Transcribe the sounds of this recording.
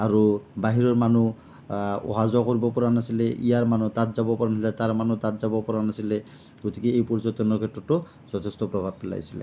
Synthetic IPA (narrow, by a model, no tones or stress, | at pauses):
aɹubaɦiɹɔɹmanu | ɔ̰ɦazɔkoɹibɔpɔɹanasilɛʔḭjaɹmanutatzabɔpɔɹanasilɛtaɹmanutatzabɔpɔɹanasilɛ | ɡotikeejpɔɹzɔt̪ɔnɔkʰɛtɹɔtːɔ | zɔtʰest̪ɔpɹɔbʱab̚ːɛla̰jsilɛ̰